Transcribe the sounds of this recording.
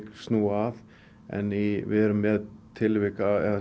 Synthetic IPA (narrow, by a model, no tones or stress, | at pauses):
kst̪nuːað | ɛ̰nivɪ̰ðɛɾʏmːɛːðt̪ʰɪlvɪkaɛa